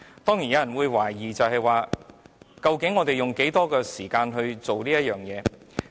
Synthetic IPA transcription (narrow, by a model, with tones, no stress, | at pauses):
t̪ɔː˥ŋji˨˩jɐ˨˧jɐ˨˩nwuː˨˧jwaː˨˩jjiː˨˩t͡sɐ˨wɦɐ˨jwaː˨ | kɐ˧wkɪ˨˥ŋːɔː˨˧t̪e˨˩jʊ˨ŋke˨˥jt̪ɔː˥kɛː˧siː˨˩kaː˧nɦɵ˧ɥt͡so˨wliː˥jɐ˥t̚jœː˨ŋjɛː˨˧